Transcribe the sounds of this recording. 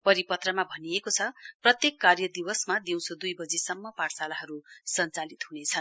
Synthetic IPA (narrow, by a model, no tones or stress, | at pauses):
pʌɾipʌt̪rʌmabʱʌnijekot͡sʰʌprʌt̪jekːarjʌd̪iwʌsmad̪iw̃sod̪ujbʌd͡zisʌmːʌpaɽsalaɦʌɾusʌnt͡salit̪ɦunet͡sʰʌn